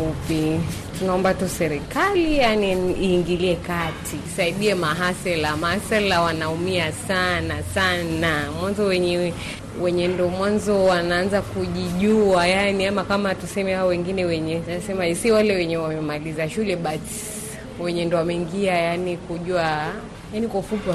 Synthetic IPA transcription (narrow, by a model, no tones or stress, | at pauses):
upi | tunaɔmbatusɛɾikalijaniiːŋɡiliɛkatʰisaiɗiɛmaɦasɛlamahasɛlawanaumiasanasanamwanzɔwɛɲɛ | wɛɲɛndɔmwanzɔwanaanzakuʄiʄuajaniamakamatusɛmɛhaɔwɛŋɡinɛwɛɲɛasɛmaɛsiwalɛwɛɲɛwamɛmalizaʃulɛɓasi̥ | wɛɲɛndɔwamɛiŋɡiajanikuʄua | janikɔfupwa